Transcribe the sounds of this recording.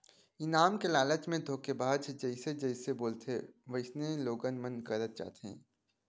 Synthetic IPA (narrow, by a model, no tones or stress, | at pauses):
ɪnaːmkelaːlət͡ʃmẽd̪ʱoːkebaːd̪d͡ʒɛɪsed͡ʒɛɪseboːlt̪eʋəɪsneloːɡənmə̃nkəɾət̪̚t͡ʃa̰ːt̪eɦɛ̰̃ː